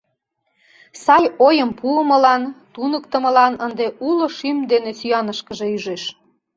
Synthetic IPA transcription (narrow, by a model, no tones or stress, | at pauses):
sɑjojəmpuəməlɑnt̪unəkt̪ə̆mə̆lɑnənd̪eʔuloʃymd̪enesyɑnəʃkəʒeyʒeʃ